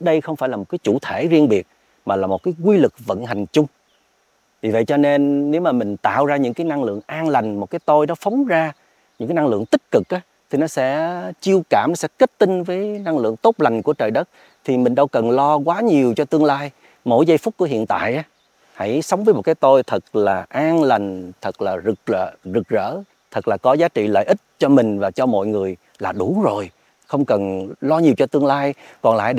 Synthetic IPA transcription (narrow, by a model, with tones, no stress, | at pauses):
ɗə˧jxə˧wŋ͡mfaː˧˩jlaː˨˩mo˨˩kaː˨˦jt͡ɕṵ˧˩t̪ʰe˧˩˦zi˧ənɓi˨˩ət̚ | maː˨˩laː˨˩mo˨˩kaː˨˦jkwi˧lɨ˨˩k̚və̰˧˨nɦa˨˩jŋ̟t͡ɕʊ˧ŋ͡m | vi˨˩və̰˧˨jt͡ɕɔ˧ne˧nːe˨˦wmaː˨˩mï˨˩ŋ̟t̪a̰ː˧˨wzaː˧ɲɨ̰˧˥ŋkaː˨˦jna˧ŋlɨ̰˧˨əŋʔaː˧nla˨˩jŋ̟mo˨˩t̚kaː˨˦jt̪o˧jnɔ˨˦fə˨˦wŋ͡mzaː˧ | ɲɨ̰˧˥kaː˨˦jna˧ŋlɨ̰˧˨əŋt̪ï˦˥k̚kɨ˨˩k̚ʔaː˨˦ | t̪ʰi˨˩nɔ˨˦sɛ̰˧˥t͡ɕi˧əwkaː˧˩mnɔ˨˦sɛ˧˥ke˦˥t̚t̪ï˧ŋvəː˨˦jna˧ŋlɨ̰˧˨əŋt̪o˦˥t̚la˨˩jŋ̟ku˧˩ət͡ɕəː˨˩jɗə˦˥t̚ | t̪ʰi˨˩mï˨˩ŋ̟ɗə˧wkə˨˩nlɔ˧kwaː˨˦ɲi˨˩əwt͡ɕɔ˧t̪ɨ˧əŋlaː˧j | mo̰˧˥jzə˧jfʊ˦˥k͡p̚kːu˧˩əɦḭ˧˨ənt̪a̰ː˧˨jʔaː˨˦ | ha̰˧˥jsə˨˦wŋ͡mvəː˨˦jmo˨˩t̚kaː˨˦jt̪o˧jt̪ʰə˨˩k̚laː˨˩ʔaː˧ŋla˨˩jŋ̟t̪ʰə˨˩k̚laː˨˩zɨ˨˩k̚zəː˧˩zɨ˨˩k̚zə̰ː˧˥ | t̪ʰə˨˩k̚laː˨˩kɔ˨˦zaː˨˦t͡ɕḭ˧˨lə̰ː˧˨jʔi˦˥t̚t͡ɕɔ˧mï˨˩ŋ̟vaː˨˩t͡ɕɔ˧mɔ̰˧˨jŋɨ˨˩əj | laː˨˩ɗu˧˨˩zo˨˩j | xə˧wŋ͡mkə˨˩nlɔ˧ɲi˨˩əwt͡ɕɔ˧t̪ɨ˧əŋlaː˧j | kɔ˨˩nla̰ː˧˨jɗ